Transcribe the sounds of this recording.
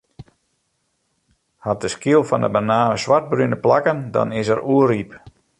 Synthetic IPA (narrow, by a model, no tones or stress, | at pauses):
hat̚dəskiəlˠfɔndə̰bənaːəsʋart̚brynəplakəndɔ̰nɪs̬əruərip